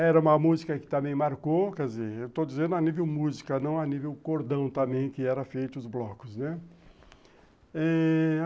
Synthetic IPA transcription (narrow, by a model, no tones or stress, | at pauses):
ɛɾɐũmɐmuzikɐkɪ̥t̪ɐ̃bẽj̃maɾkokɛzeɾewt̪od͡ʒizẽnd̪ʊɐnivewmuzikɐnɐ̃w̃ɐnivewkoɾd̪ɐ̃w̃t̪ɐ̃mbẽj̃kɪɛɾɐfejt̪ʊʊzblɔkʊznɛ | ɛ